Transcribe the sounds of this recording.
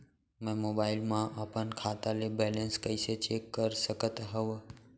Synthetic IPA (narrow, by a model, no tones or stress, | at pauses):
mɛ̃mobailmãʔəpənkʰat̪alebɛlənskəiset͡ʃekːəɾsəkət̪ɦəʋ